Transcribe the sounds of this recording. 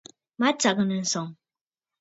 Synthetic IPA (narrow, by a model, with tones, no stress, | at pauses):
ma˦t͡ʃa˨ɡə˦nə˨n̩˨sɔ˨ŋ